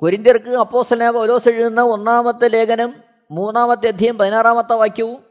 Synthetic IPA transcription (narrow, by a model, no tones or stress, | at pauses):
koɾind̪jɐrkɨɐpːo̞ːst̪ɐlɐnaːbɐloːseɻunːɐo̞nːaːmɐt̪ːɨle̞ːkʰɐnɐmː | uːnːaːmɐt̪ːɨjɐd̪ʱijɐmpɐðinaːraːmɐt̪ːɐʋaːkʲjɐʋum